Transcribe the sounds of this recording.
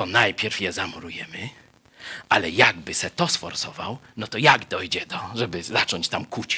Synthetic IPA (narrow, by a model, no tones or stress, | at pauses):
ɔnajpʲjɛɾfjɛzamɔɾujɛmɘ | ʔalɛjaɡbɘsɛt̪ɔsfɔɾsɔva̰wnɔt̪ɔjaɡd̪ɔjd͡ʑɛd̪ɔʐɛbɘzat͡ʂɔɲt͡ɕt̪amkut͡ɕ